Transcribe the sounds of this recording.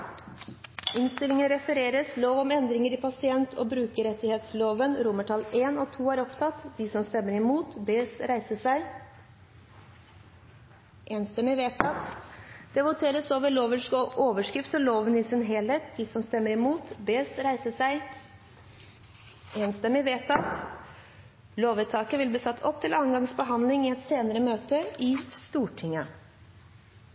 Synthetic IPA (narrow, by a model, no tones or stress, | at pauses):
ɪnst̪ɪlːɪŋənɾɛfəɾeːɾəsloːʋɔmɛnd̪ɾɪŋəɾɪpʰɑsɪɛnt̪ʰɔ̰ːbɾʉːkəɾɛt̪ːɪheːt̪sloːʋənɾʊməʈʰɑleːnɔːt̪ʰuːæɾɔpt̪ʰɑt̪d̪isɔmst̪ɛmːəɾɪmuːt̪beːsɾæɪsəsæɪ | ʔeːnst̪ɛməɪʋeʈʰɑt̪ːd̪̥ɛʋʊt̪ʰeːɾəsoːʋəɭoːʋəʂkoːʋəʂkɾɪft̪ɔloːʋənɪsɪnɦɛleːt̪̚d̪ɪsɔmst̪ɛmːəɾɪmuːt̪beːsɾæɪsəsæɪ | eːnst̪əmɪʋeːt̪ɑt̪ | loːʋət̪ʰɑːkəʋɪlbliːsɑt̪ːʰɔp̚ːt̪ʰɪlɑːnɡɑŋsbəɦɑnd̪lɪŋɪɛt̪seːnəɾəmøːt̪əɪst̪uːʈʰɪŋːə